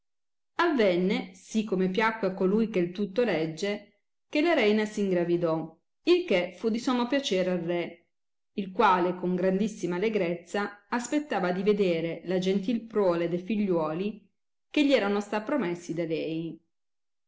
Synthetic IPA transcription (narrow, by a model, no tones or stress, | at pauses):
avːɛnːesikːomepjakːweakːolujkelt̪ut̪ːolɛd͡ʒːe | kelaɾɛjnasiŋɡɾavid̪ɔ | ilkefud̪isɔmopjat͡ʃɛːɾarːe | ilkwaːlekoŋɡɾand̪isːimaːleɡɾet̪sːaːspet̪ːaːvad̪ived̪eːɾelad͡ʒent̪ilpɾwɔːled̪ejfiʎːwɔːli | keʎːiɛːɾanost̪apːɾomesːid̪alɛj